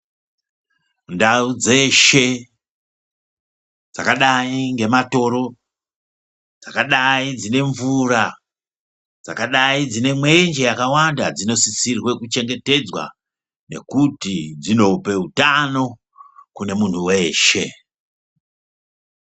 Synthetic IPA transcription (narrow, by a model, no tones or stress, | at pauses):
ndaud͡ze̞ʃe̞ | d͡zakaɗaiŋɡe̞mato̞ɾo̞ | d͡zakaɗaid͡zine̞ɱvura | d͡za̰kaɗaid͡zine̞mwe̞nd͡ʒe̞jakawandad͡zino̞sisirwe̞kut͡ʃe̞ŋɡe̞te̞d͡zwa̰ | ne̞̰kutid͡zino̞pe̞utano̞ | kune̞mun̤ʰuwe̞ːʃe̞